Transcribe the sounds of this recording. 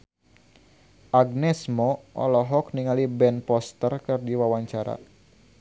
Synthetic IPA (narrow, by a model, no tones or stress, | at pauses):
ʔaɡ̚nɛsmɔʔɔ̰lɔɦɔk̚niŋalibɛnpɔst̪ərkɨrdiwawaɲt͡ʃaɾa̰